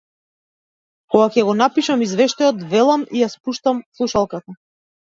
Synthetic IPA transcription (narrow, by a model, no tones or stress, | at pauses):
kɔɡakʲɛɡɔnapiʃamizvɛʃt̪ajɔt̪vɛlˠamijaspuʃt̪amslˠuʃalˠkat̪a